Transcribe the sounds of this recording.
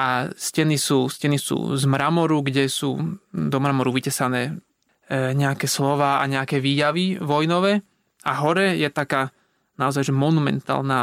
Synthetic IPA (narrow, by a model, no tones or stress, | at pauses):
ʔascɛnisuːscɛnisṵːzmɾamɔɾuɡɟɛsṵːd̪ɔmɾamɔɾuʋicɛsanɛː | ɲɛakɛslɔʋaːaɲɛakɛːʋiːjaʋiʋɔjnɔʋɛː | aɦɔɾɛjɛt̪akaː | naɔzajʒɛmɔnumɛ̰nt̪a̰ːlna